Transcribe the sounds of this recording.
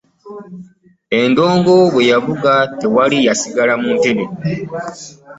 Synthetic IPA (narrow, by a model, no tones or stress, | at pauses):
e̞ndo̞ːŋɡo̞βwe̞jaβuɡate̞walijasiɡalamunteɾe